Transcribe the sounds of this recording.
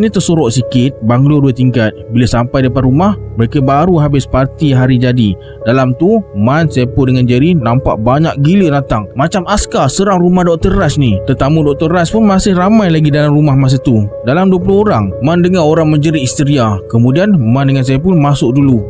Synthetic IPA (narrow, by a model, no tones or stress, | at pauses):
nit̪əsoɾɔʔsikɪt̪̚baŋluduət̪iŋkat̪̚bilasampajdəpat̪rumahməɾekəbaɾuɦabɪspart̪iɦaɾid͡ʒadi | dalamt̪umansapʊndəŋand͡ʒəɾinampa̰ʔbaɲak̚ɡilənat̪aŋmat͡ʃamaskasəɾaŋrumahdɔk̚t̪ərːasnit̪ərt̪amũdɔk̚t̪ərːaspʊnmasɪhramajlaɡidalamrumahmas̬ət̪udalamduəpəlʊhoɾaŋmandəŋanoɾaŋməɲd͡ʒəɾiist̪əɾiakəmũdianmandəŋans̬ajapʊnmasʊk̚dulu